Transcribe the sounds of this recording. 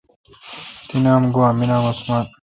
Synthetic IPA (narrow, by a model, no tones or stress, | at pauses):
t̪inaːmɡoaminaːmɐsmaːn